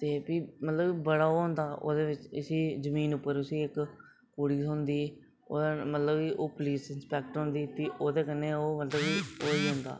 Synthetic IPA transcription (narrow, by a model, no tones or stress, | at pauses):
t̪eːbiːmət̪ləbibəɽaːoːɦʊ̃nd̪aːʔo̰ːd̪eːʋɪt͡ʃɪsiːzəmiːnʊpːəɾʊsĩːɪk | koːɽiːsõːnd̪iː | o̰ːmət̪ləbiːʔoːpliːsɪnspɛːk̚ʈɦõːnd̪iːt̪iːʔoːd̪eːkənːeːoːmət̪ləbiːoːiːɦʊ̃ːnd̪a̰ː